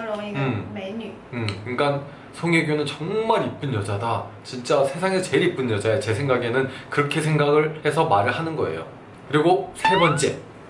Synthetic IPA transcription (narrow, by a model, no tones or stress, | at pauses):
ɯm | ɯmiŋɡan | sʰoŋeɡjonɯnt͡ɕʌŋmaɾip͈ɯnjʌd͡ʑadat͡ɕint͡ɕ͈asʰe̞sʰaŋeʌt͡ɕe̞ɾip͈ɯnjʌd͡ʑaeot͡ɕe̞sʰe̞ŋɡaɡe̞nɯnkɯɾʌkʰes̬ʰeŋɡaɡɯɭhe̞sʰʌmaɾɯɭhanɯnɡʌe̞̰jo̰ | kɯɾiɡosʰe̞bʌnt͡ɕ͈e̞